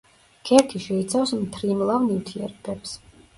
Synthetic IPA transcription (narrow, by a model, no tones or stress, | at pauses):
kʰɛɾkʰiʃɛit̪sʰawsmt̪ʰɾimlˠavniwt̪ʰiɛɾbɛps